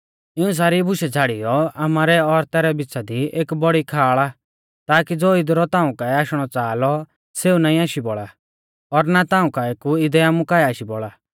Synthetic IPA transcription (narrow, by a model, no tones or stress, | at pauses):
ɪũs̬aːɾibʊʃɛd͡zʱaːɽijɔamaːɾɛɔɾt̪ɛɾɛbɪtt͡sad̪ieːkbɔɽikʰaːɭa | t̪aːkid͡zoːɪd̪ɾɔt̪aːũkaɛaːʃɽ̃ɔt͡saːlɔ | seːunaːĩaːʃibɔɭa | ɔɾnat̪ãːũkaeːkuɪd̪ɛaːmũkaːɛaːʃibɔɭaː